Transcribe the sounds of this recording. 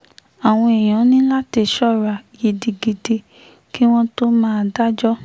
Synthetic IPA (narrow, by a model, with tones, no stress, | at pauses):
a˨w̃ɔ̃˧e˨j̃ã˨˦nĩ˦la˦te˧˨ʃɔ˦˨ɾa˨je˨di˧ɡi˧de˧ | ki˦w̃ɔ̃˦to˦mãː˦˧da˦d͡ʒɔ˦